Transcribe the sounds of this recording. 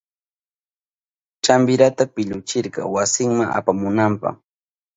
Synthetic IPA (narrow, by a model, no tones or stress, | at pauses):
t͡ʃambɪɾat̪apɪʎʊt͡ʃɪɾɢɑ̰wasɪŋmaŋʔa̰pamʊnampɑ̰χ